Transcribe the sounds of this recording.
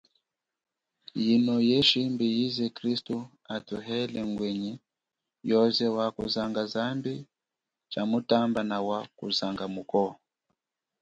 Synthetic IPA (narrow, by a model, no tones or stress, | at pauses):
jinɔjɛʃimbijizɛkɾistu | atuɦɛlɛŋɡwɛɲi | jɔzɛwakṵzaŋɡazambi | t͡ʃamutambanawakṵzaŋɡamukɔ